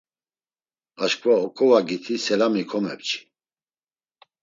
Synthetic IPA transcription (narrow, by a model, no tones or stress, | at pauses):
aʃkʰvaɔkʰʼɔvaɡit̪ʰisɛlamikʰɔmɛ̰p̚t͡ʃʰʼi̥